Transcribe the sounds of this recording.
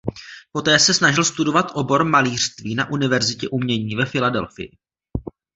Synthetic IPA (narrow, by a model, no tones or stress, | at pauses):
po̞t̪ɛːsɛsnaʒɪlst̪udo̞vat̪ʔo̞bo̞ɾmaliːr̥st̪viːnaʔunɪvɛɾzɪcɛʔumɲɛɲiːvɛfɪladɛ̰lfɪ̰jɪ̰